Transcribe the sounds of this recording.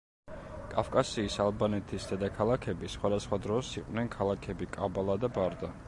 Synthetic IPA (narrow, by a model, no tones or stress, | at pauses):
kʼafkʼasiːsalˠbanɛt̪ʰisd̪ɛd̪akʰalˠakʰɛbisχwad̪asχwad̪ɾɔsiqʼwnɛnkʰalˠakʰɛbikʼabalˠad̪abaɾd̪a